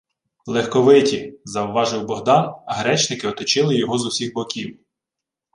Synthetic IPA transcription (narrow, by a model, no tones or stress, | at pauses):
lˠɛxkɔʋɪtʲizɐwʋɑʒɪwbɔɦd̪ɑnɐɦɾɛt͡ʃnɪkɪɔt̪ɔt͡ʃɪlˠɪjɔɦɔzʊwsʲiɣbɔkʲiw